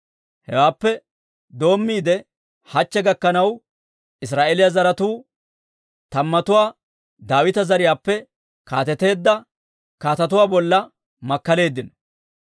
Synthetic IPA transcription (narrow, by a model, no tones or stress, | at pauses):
hɛ̰waːpːɛ | d̪o̞ːmːiːd̪ɛ | hɐt͡ʃːɛɡɐkːɐnɐw | ɪs̬ɾaːʔelɪjazɐɾɐt̪uː | t̪ɐmːɐt̪ʊwaː | d̪aːwɪt̪ɐzɐɾɪjaːpːɛ | kaːt̪ɛt̪e̞ːd̪ːɐ | kaːt̪ɐt̪̬ʊwaːbɔlːɐ | mɐkːɐle̞ːd̪ːɪn